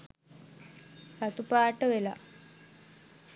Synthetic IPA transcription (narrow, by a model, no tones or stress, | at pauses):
kat̪upaːʈəʋela̰